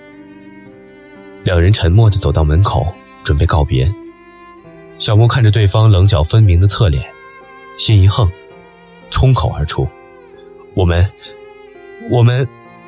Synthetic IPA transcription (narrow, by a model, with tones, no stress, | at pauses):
ljɑ˨˩ŋɻə˧˥nʈ͡ʂʰə˧˥nmwɔ˥˩d̪ə˩t͡so˨˩ʊt̪ɑ˥˩ʊmə˧˥nkʰo˨˩˦ʊ | ʈ͡ʂwə˨˩npe˥˧ɪkɑ˥˩ʊpjɛ̰˧˥ | ɕjɑ˨˩ʊmɔ˥˧kʰa˥˩nʈ͡ʂə˩t̪we˥˩ɪfɑ˥ŋlɤ˧˥ŋt͡ɕjɑ˨˩ʊfə˥nmi˧˥ŋd̪ə˧t͡sʰɤ˥˩ljɛ̰˨˩˦n | ɕɛ˥ni˧˥xɤ˥˩ŋ | ʈ͡ʂʰʊ˥ŋkʰo˨˩ʊə̰˞˧˥ʈ͡ʂʰu˥ | wɔ˨˩mə˦n | wɔ˨˩mə˦n